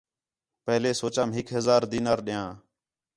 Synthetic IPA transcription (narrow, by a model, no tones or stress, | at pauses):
pəɦleːsoːt͡ʃãːmɦɪkɦəzaːɾd̪iːnaːɾɗɪjãː